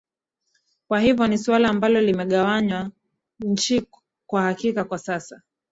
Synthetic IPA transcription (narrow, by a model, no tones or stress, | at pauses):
kwahivjɔniswalaːmbalɔlimɛɠawaɲwa | n̩t͡ʃi | kwahakikakwasasa